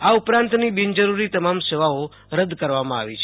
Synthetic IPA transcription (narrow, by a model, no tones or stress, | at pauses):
aupɾãnt̪nibind͡ʒəɾuɾit̪əmamseʋao | ɾəd̪kəɾʋamãa̰ʋit͡ʃʰ